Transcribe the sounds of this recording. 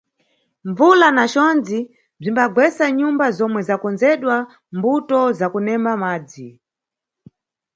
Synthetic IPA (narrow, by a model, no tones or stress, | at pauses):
ɱvulanat͡ʃɔnd͡zi | b͡ʐimbaɡwɛsaɲumbazɔmwɛzakɔnd͡zɛɗwa | mbutɔzakunɛmamaːd͡zi